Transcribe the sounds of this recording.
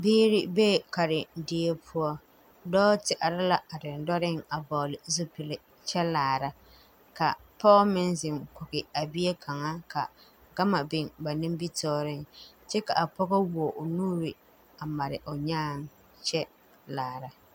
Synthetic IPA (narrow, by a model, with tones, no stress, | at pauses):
biː˦ɾɪ˦be˦˨ka˨ɾɪ˨dɪ˦e˦pʰʊ˦ɔ˦ | dɔː˦tɪ˨ʔa˨ɾa˦la˨a˨dɪ˨n˨dɔ˦ɾɪ˦ŋa˨bɔ˨lɪ˨zʊ˦pɪ˨lɪ˨ | t͡ʃɛ˦laː˨ɾa˦ | ka˨pɔ˦mɪ˦nzɪ˨ŋkʊ˨ɣɪ˨a˨bi˦e˦kʰa˨ŋa˦ka̰˨ | ɡa˦ma˨bɪ˨ŋba˨nɪ˦mbi˦tɔː˦ɾɪ˦ŋ | t͡ʃɛ˦ka̰˨ʔa˨pɔ˦ɣɔ˦wɔ˨ʔʊ˨nuː˦ɾɪ˨ | a˨ma˨ɾɪ̰˨ʔʊ˨ɲaː˦ŋ˦ | t͡ʃɛ˦ | laː˨ɾa˨